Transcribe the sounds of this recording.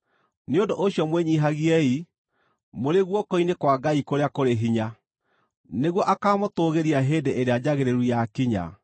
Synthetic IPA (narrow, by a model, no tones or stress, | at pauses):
neondoʔoɕjɔmweɲiɦaɣiɛi | moɾeɣwɔkɔinekwaɡaikoɾeakoɾeɦiɲa | neɣwɔʔakaːmotoɣeɾiaɦeːdeʔeɾead͡ʑaɣeɾeɾujakiɲa̰